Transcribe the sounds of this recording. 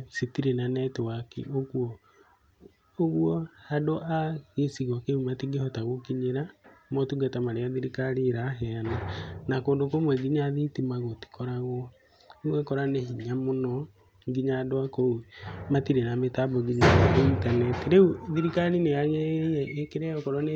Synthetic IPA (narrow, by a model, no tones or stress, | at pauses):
setiɾenanɛtewakḛʔoɣuɔ | oɣuɔhadoʔaɣesiɣɔkeumatiɡehɔtaɣokiɲeɾamɔtuɡatamaɾeaðiɾikaɾiɾaɦɛananakoːndokomwɛɡiɲaðitimaɣoti̥kɔɾaɣwɔ | wɛkɔɾaneɦiɲamonɔ | ŋɡiɲadwakoumatiɾenametabɔɡiɲaointanɛtiɾeuðiɾikaɾineaɣɛɛʔekeɾɛɔkɔɾwɔne